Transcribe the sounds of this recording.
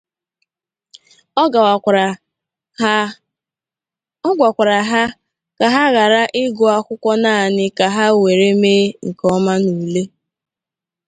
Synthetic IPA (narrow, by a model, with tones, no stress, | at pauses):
ɡʷa˨kʷa˨ɾa˨ɦa˦ | ka˨ɦa˦ɣa˨ɾa˦ʔɪ˦ɡʊ˨a˦kʷʊ˦kʷɔ˦na˦a˨nɪ˦ka˨ɦa˦we˨ɾe˦meː˦ŋ̩˨kɔ˦ma˦nu˨le˦